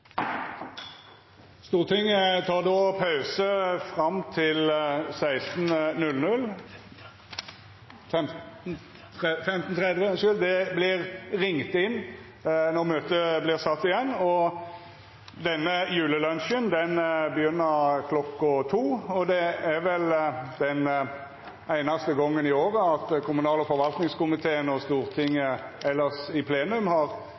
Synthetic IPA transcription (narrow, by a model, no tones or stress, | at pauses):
st̪uːʁt̪ʰɪŋt̪ʰɑːʁd̪oːpʰɑʉsəfʁɑmt̪ʰɪlsæɪst̪nnʉlnʉl | ɛm | fɛmt̪n̩t̪ʰʁɛd̪ʋəsʉld̪ɛblɪʁʁɪŋt̪ɪnː | nɔʁmøːt̪əblɪʁsɑt̪ːɪjɛnːɔ | d̪ɛnːəjʉːləlœnʃənd̪ɛnbəjʏnːəɾkʰlɔkːʊt̪ʰuːɔd̪ɛæɾʋɛld̪ɛn | æɪnɑst̪əɡɔŋːənɪoːʁəɑt̪kʰʊmʉnɑːləfɔɾʋɑlt̪nɪŋskʊmɪt̪ʰeːənɔst̪uːɾt̪ʰɪŋːəʔɛlːəsɪpʰleːnʉmhɑʁ